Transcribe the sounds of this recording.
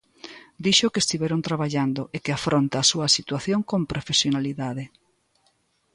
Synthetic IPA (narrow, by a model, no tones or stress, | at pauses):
d̪iʃokest̪iβɛɾont̪ɾaβ̞aʎand̪oʔekɪafɾont̪aːsuɐasit̪waθjoŋkompɾofesjonaliðaðe